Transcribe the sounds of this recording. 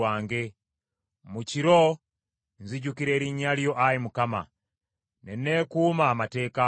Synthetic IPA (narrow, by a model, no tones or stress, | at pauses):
waːŋɡe | muciɾo | nziɟukiɾeɾiɲaljo̞ʔajimukama̰ | nenekumamate̞ːka